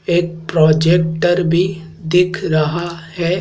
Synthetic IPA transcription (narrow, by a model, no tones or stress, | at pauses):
eːk̚pɾɔːd͡ʒeːk̚ʈpəɾbʱi | d̪ɪkʰɾɐɦahɛː